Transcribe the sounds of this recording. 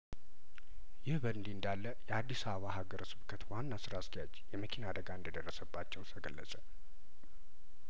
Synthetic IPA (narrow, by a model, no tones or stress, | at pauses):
jɪhbənd̪iɨnd̪alːəjɛad̪ːisaβəβaɦaɡəɾsɨβkʰət̪wanːasɨɾaskijad͡ʒjɛməkʰinad̪əɡaɨnd̪əd̪ərːəsəbːat͡ʃːɛwsəɡəlːə̰sʼə